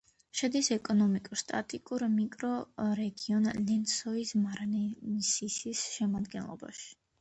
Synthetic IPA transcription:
ʃɛd̪isɛkʼɔnɔmikʼuɾst̪ʼat̪ʼikʼuɾmikʼɾɔɾɛɡiɔnlɛnsɔismaɾanɛnisisisʃɛmad̪ɡɛnlˠɔ̰ba̰ʃi̥

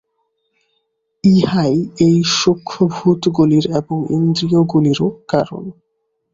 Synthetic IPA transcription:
iɦajejʃokʰːobʱut̪ɡuliɾeboŋḭnd̪ɾioɡuliɾokaɾo̰n

